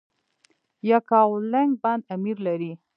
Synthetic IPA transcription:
jakɑwlaŋɡ̚band̪amiɾlaɾi

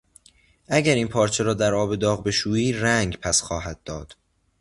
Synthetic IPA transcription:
ʔæɟæɾiːnpʰɒːɾt͡ʃʰe̞ɾɒːd̪æɾɒːbe̞d̪ɒːɣbe̞ʃuːiːɾæŋɡpʰæsxɒːhæd̪̚ːɒːd̪̥

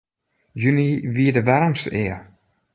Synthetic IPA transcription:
jyniʋiədəʋɛɾəmsɪː

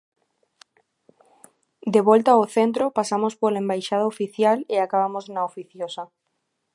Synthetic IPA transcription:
d̪eβolt̪aoθent̪ɾopasamospolembajʃað̞aofiθjaleakaβ̞amoznaofiθjosa

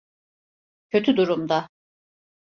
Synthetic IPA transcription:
cʰøt̪ʰyd̪uɾumd̪a

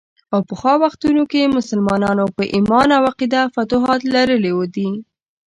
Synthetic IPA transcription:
awpəxɑwaxt̪unokemʊsəlmɑnɑnopəʔimɑnawɑqid̪afat̪uɦɑt̪laɾəlewod̪i

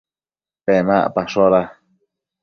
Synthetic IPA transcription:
pemaʔpaʃoɾa

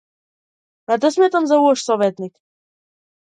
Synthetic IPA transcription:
ad̪ɛsmɛt̪amzauɔʃsɔvɛt̪nik

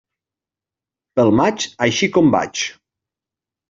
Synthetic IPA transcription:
pəlˠmat͡ʃajʃikɔmba̰t͡ʃ

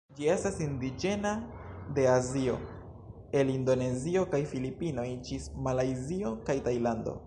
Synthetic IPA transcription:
d͡ʒie̞stasindid͡ʒe̞nade̞azio̞̰ | e̞lindo̞ne̞zio̞kajfilipino̞jd͡ʒismalajzio̞kajtajlando̞̰

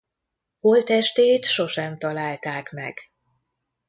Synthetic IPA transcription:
holt̪ɛʃt̪eːt̪ʃo̞ʃɛmt̪ɒlaːlt̪aːkmɛ̰ɡ̥

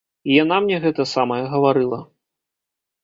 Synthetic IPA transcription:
ijanamnʲɛɣɛt̪ɐsamɐjɛɣɐvaɾɨlˠɐ

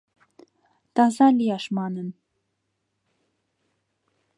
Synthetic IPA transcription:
t̪ɑzɑlijɑʃmɑnən

